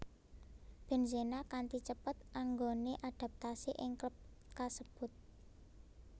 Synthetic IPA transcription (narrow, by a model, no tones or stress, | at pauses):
b̥e̤nzenakant̪it͡ʃəpət̪̚ʔaŋɡoneʔad̪̥a̤p̚t̪asiʔɪŋ | kasəb̥ʊ̤t̪̚